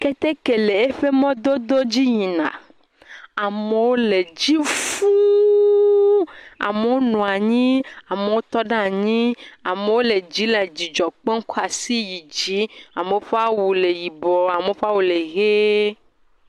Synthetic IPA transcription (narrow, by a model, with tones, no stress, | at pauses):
ke˦t̪e˦ke˨le˨e˦ɸe˦mɔ̃˦d̪o˦d̪o˦d͡ʑi˦ɲĩ˨nã̰˨ | a˨me˨wo˦le˨d͡ʒi˦fu˦ | a̰˨me˨wo˦nũ˨a˨ɲĩ˦a˨me˨wo˦t̪ɔ˦ɖa˦˨ɲĩ˦a˨me˨wo˦le˨d͡ʒi˨˦la˨d͡ʒi˨d͡ʒɔ˨k͡pɔ˦ŋ̩˦kɔ˦a˨si˦ji˨d͡ʒi˨˦a˨me˨wo˦ɸe˦a˦wu˨le˨ji˨bɔ˨a˨me˨o˦ɸa˦wu˨le˨ɣe˦